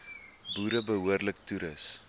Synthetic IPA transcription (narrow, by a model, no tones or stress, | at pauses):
buːɾəbəɦuərlək̚tuɾəs